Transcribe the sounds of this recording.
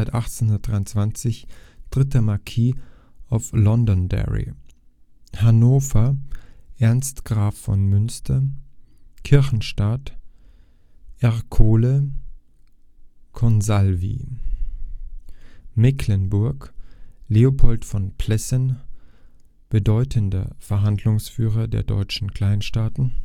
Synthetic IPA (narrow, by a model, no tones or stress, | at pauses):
ɪtʔaχtt͡senhʊndɐtd̥ʁaɪʊnt͡sv̥ant͡sɪçd̥ʁɪtəmaɐkʰiː | aʊflɔndɔndɛ̰ʁḭ | hanoːfɐʔɛɐnstɡ̥ʁaːfːɔ̰nmʏnstʰɐ | kʰɪɐçn̩ʃtat | ʔɛʁkʰoːlə | kʰɔnzalvḭː | mɛkʰlənbʊɐkleopʰɔltfɔnpʰlɛsən | b̥ədɔʏtʰəndɐ̰fɛɐɦandlʊŋsfyːʁɐdḛːɐdɔ̰ʏt͡ʃn̩kʰl̥aɪnʃtaːtn̩